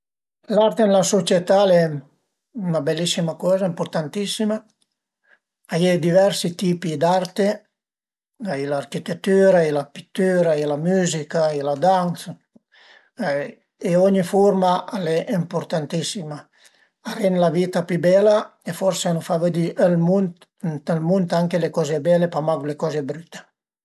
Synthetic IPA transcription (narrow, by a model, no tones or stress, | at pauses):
laɾt̪enelasot͡ʃjet̪alɛ | unabelːisimakɔːzaimpoɾt̪ant̪isima | ajɛd̪ivɛɾsit̪iːpid̪art̪e | ailaːrkit̪et̪ːyːɾailapit̪ːyːɾailamyzikailad̪ans | eɔɲifɔɾmaalɛʔimpoɾt̪ant̪isima | arɛnlavit̪apibɛla | efɔɾseanufaved̪iʔlmun | elmunt̪aŋkelekɔːzebɛlepamaɡlekɔzebɾyt̪ːe̥